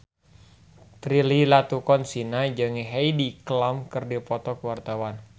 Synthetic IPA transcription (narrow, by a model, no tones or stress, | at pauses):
t̪ɾililat̪ukɔnsinad͡ʒəŋiɦajdiklamkɨrdipɔt̪ɔkəwart̪awan